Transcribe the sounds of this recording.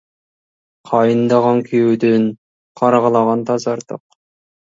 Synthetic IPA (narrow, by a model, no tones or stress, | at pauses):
qʰɑjɨnd̪ɑʁɑŋkʲʰejud̪ɪn | qʰɑɾʁəlˠɑʁɑnt̪ʰɑzɑɾt̪ə̰q̚